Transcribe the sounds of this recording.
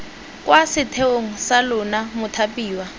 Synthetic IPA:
kwasɪtʰeoŋ̩salʊnamʊtʰapʼiːwa

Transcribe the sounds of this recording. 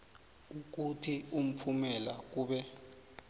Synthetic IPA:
uk̬utʰium̩pʰumɛlak̬uːɓɛ

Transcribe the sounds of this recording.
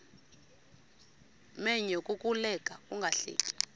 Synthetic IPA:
mɛɲokʼukʼulɛkʼakuŋɡʱaɬḛːkʼi̥

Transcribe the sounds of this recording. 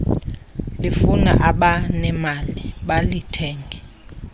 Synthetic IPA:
lifuna̰ʔaɓanɛmaliɓalitʰɛːŋɡʱɛ

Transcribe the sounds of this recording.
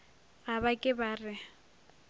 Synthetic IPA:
ɣaβakʼɪbaːrɪ

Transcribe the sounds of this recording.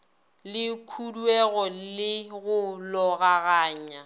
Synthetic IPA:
lɪkʰudwɛɣɔlɪɣʊlɔɣaɣaːɲa

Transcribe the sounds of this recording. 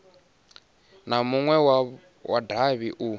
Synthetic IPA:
namuŋwɛ | wadʱaβiʔu

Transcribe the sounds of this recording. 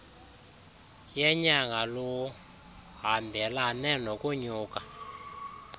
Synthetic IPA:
jɛɲaŋaluw | ɦambʱɛlanɛnokuɲuːka

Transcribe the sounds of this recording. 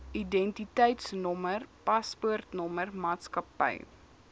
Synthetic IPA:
ʔidɛntitɛjtsnɔmərpɐspuərtnɔmərmaːtskɐpə̰j

